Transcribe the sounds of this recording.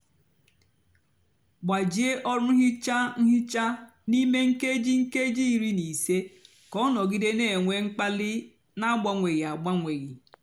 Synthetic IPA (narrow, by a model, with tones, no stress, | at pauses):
ɡ͡ba˨d͡ʒi˦e˦ʔɔ˦ɾʊ˦ɦɪ˦t͡ʃa˦ŋ̩˦ɦɪ˦t͡ʃa˦ | ni˦me˦ŋ̩˦ke˦d͡ʒi˦ŋ̩˦ke˦d͡ʒi˦˨ɾi˦ni˨se˦ | kɔ˦nɔ˨ɡi˦de˦ne˨e˨ŋʷe˦ŋ͡m̩˦k͡pa˦lɪ˦ | na˦ɡ͡ba˦ŋʷe˨ɣi˨a˨ɡ͡ba˦ŋʷe˨ɣi˨